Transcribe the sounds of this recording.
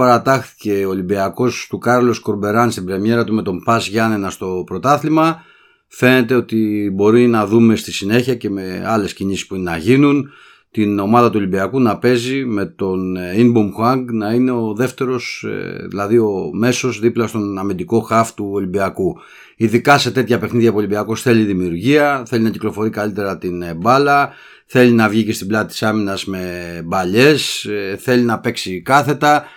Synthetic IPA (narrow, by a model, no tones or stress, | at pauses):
pɐɾɐt̪ɐxθi̥ce̞oːlimbiɐko̞st̪ukɐɾlo̞sko̞ɾbe̞ɾɐnst̪ibɾemje̞ɾɐt̪ume̞t̪o̞mpɐzʝɐnenɐst̪o̞pɾo̞t̪ɐθlimɐ | fe̞ne̞t̪e̞o̞t̪ibo̞ɾinɐðume̞st̪isine̞çiɐce̞me̞ɐle̞sciɲisi̥spuinenɐʝinun | t̪ino̞mɐðɐt̪uo̞libiɐkunɐpe̞zime̞t̪o̞ninbomxwɐŋɡnɐine̞o̞ðe̞ft̪e̞ɾo̞sðḭlɐðio̞me̞so̞zðiplɐst̪o̞nɐmind̪iko̞xɐft̪uo̞libiɐku | iðikɐse̞t̪e̞t̪çɐpe̞xniðʝɐpolimbiɐko̞sθe̞liðimiuɾʝiɐθe̞linɐciklo̞fo̞ɾikɐlit̪e̞ɾɐt̪inbɐlɐ | θe̞linɐvʝicest̪iblɐt̪ɐt̪i̥sɐminɐzme̞bɐʎe̞sθe̞linɐpe̞ksikɐθe̞t̪ɐ